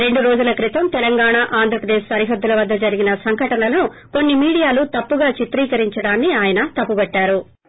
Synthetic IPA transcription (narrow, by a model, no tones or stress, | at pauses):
ɾe̞ɳɖuɾoːd͡ʒulɐkɾit̪ɐmt̪ɛlɐŋɡaːɳaʔaːnd̪ʱɾɐpɾɐd̪eɛːʃsɐɾiɦɐd̪ːulɐʋɐd̪ːɐd͡ʒɐɾiɡinɐsɐŋɡɐʈɐnɐlɐnu | ko̞nːimiːɽijaːlut̪ɐpːuɡaːt͡ʃit̪ɾiːkɐɾiɲt͡ʃɐɽaːnːiaːjɐnɐt̪ɐpːubɐʈːaːɾu